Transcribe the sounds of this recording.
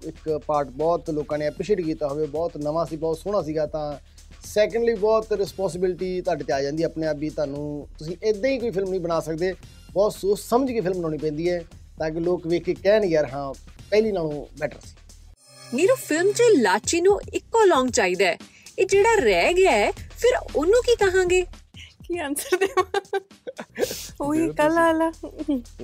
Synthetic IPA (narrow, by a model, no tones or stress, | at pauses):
ɪkpaːɾʈbɔːt̪loːkãːneːəpɾɪʃeːʈkiːt̪aːɦoːʋeːbɔːt̪nəʋaːsiːbɔːt̪sʊɽ̃aːsiːɡaːt̪ãː | sɛːkə̃ɳɖliːbɔːt̪ɾɪspɔ̃ːns̬ɪbɪlʈiːt̪aːɖt̪eaːd͡ʒãːnd̪iɛːpneːaːpiːt̪ʊãːnũːt̪ʊsĩːʔeːd̪ẽːiːkoːiːpʰɪlmnəĩːbənaːsək̚d̪eː | bɔːt̪soːssəməd͡ʒkiːpʰɪlmnaːɽ̃iːp̬ɛ̃ːnd̪iːɛː | t̪ãːk̬ɪloːkʋeːkeːkɛːnɡəɾɦãːpɛːliːnaːlũːbɛːʈə̰ɾsi̥ː | meːɾoːpʰɪlmt͡ʃelaːt͡ʃiːnũːɪkːoːlɔ̃ːŋɡt͡ʃaːiːd̪aɛː | eːd͡ʒeːɽaːɾɛːɡɪaɛpʰɪɾʊnũːkiːkəɦãːŋɡeːkiːənsəɾd̪e | oːiːkəlaːlaː